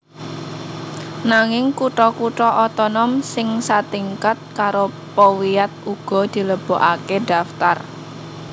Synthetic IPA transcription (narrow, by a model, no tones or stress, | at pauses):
naŋɪŋkuʈɔkuʈɔʔɔt̪ɔnɔmsɪŋsat̪iŋkat̪̚kaɾo | pɔwiat̪̚uɡ̥ɔ̤d̪̥i̤ləb̥o̤ʔaked̥a̤ft̪ar